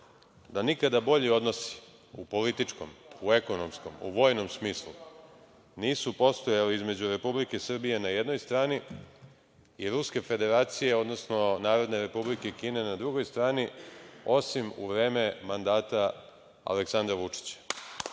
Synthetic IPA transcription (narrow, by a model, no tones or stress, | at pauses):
d̪anikad̪abo̞ʎio̞d̪no̞si̥ | upo̞lit̪it͡ʂko̞mue̞ko̞no̞msko̞mṵʋo̞jno̞msmiːslˠu | niːsupo̞st̪o̞jaliizme̞d͡ʑuɾe̞publike̞sr̩bije̞naje̞d̪no̞jst̪ɾaːni | iɾuske̞fe̞d̪e̞ɾaːt̪sije̞o̞d̪no̞sno̞naːɾo̞d̪ne̞ɾe̞publikeikiːne̞nad̪ɾuɡo̞jst̪ɾaːnio̞simṵʋɾe̞ːme̞mand̪aːt̪a | a̰leksand̪ɾaʋut͡ʂi̥t͡ɕḁ